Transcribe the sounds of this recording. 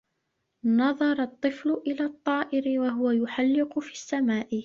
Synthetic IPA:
nɑðˤɑɾˤɑt̪ˤːɨflʊʔɪlaːt̪ˤːɑːʔɪɾɪwaɦʊwajʊħalːɪqʊfiːsːamaːʔɪ

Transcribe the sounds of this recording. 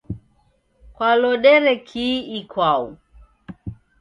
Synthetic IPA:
kwalɔɗɛɾɛkʰiikʰwau

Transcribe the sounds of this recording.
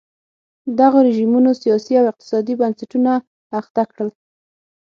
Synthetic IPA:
d̪aɣoɾɪʒimunosijɑsiawɪq̚t̪ɪ̥sɑd̪ibansaʈunaː | xt̪akɽəl

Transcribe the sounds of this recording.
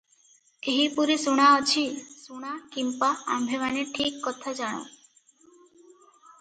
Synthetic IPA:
eɦipuɾisuɽ̃aɔt͡ʃʰisuɽ̃akimpaa̰mbʱemaneʈʰikːɔt̪ʰad͡ʒaɽ̃õ̰

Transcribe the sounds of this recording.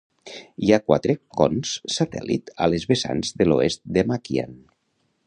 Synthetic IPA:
iakwa̰t̪ɾekɔ̰nsːat̪ɛ̰lḭt̪a̰lezβesa̰nzðeloest̪̚d̪emakja̰n

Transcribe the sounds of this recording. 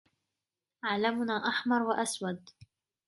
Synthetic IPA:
ʔaʕlamʊnaːʔaħmɑɾˤwaʔaswad̪

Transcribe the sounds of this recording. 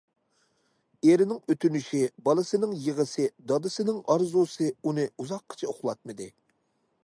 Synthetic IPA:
eɾɪnɪŋøt̪ʰynyʃibɑlˠɨsɨnɨŋjəʁəsɨd̪ɑd̪ɨsɨnɪŋɑɾzusɨunɨuzɑqʰːə̥t͡ʃʰɛoχlˠɑt̪̚mɨd̪ɨ

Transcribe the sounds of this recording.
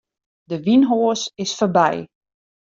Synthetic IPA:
dəʋinɦoːsɪsfərbɛ̰j

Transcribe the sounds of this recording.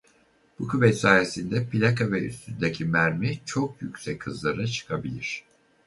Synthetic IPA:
b̥ukyvɛt̪saːjesind̪ɛpʰilʲakavɛy̰st̪ʰynd̪ecʰimæɾmit͡ʃʰo̞k̚jycʲsɛchɯzlˠaɾat͡ʃʰɯ̥kʰabilʲiɾ̝̥

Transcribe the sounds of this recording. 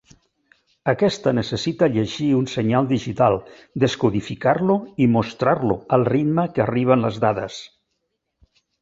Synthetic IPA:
əkɛst̪ənəsəsit̪əʎəʒiunsəɲalˠd̪iʒit̪alˠ | d̪əskuðifikaɾluimost̪ɾaɾloəlˠrid̪məkəriβ̞ənləzðaðə̰s

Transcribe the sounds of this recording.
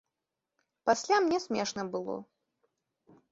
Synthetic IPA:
pasʲlʲamnʲɛsʲmʲɛʂnɐbɨlˠɔ̰

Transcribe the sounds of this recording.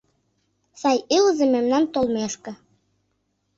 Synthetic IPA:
sɑjilzĕmemnɑnt̪olmeʃkɤ̆

